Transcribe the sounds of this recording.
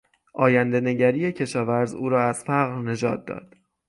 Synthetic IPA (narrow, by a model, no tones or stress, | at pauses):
ʔɒːjænd̪e̞ne̞ɟæɾijecʰe̞ʃɒːvæɾzṵːɾɒːæz̥fæɣɾne̞d͡ʒɒːt̪̚d̪ɒ̰ːd̪̥